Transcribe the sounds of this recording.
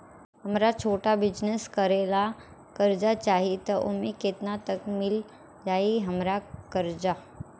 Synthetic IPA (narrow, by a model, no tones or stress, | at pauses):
ɦəmɾat͡ʃʰoːʈabɪd͡ʒneskəɾeːla | kəɾd͡ʒat͡ʃaːɦiet̪ɔʔʊ̰mekɪt̪nat̪əkmɪl | d͡ʒaːiɦəmɾakəɾd͡ʒa